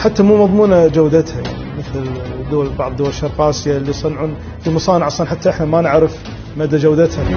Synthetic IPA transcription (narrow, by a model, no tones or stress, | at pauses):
ħat̪ːamuːmɑðˤmuːnad͡ʒawd̪at̪haja̰ʕniməθld̪ːʊːalbɑʕðˤd̪ʊwalʃɑɾˤqɑːsɪjalːisˤɨnʕuːn | fimʊsˤɑːnɪʕɑsˤlɑnħat̪ːaʔəħnamanɪʕɾɪf | mad̪ːad͡ʒawd̪at̪ha